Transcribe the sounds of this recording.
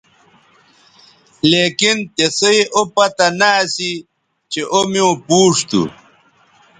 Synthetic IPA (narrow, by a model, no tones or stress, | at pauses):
leːkint̪esoeʔopɐt̪anaːsi | t͡ɕeʔomiõpuːʂt̪ṵ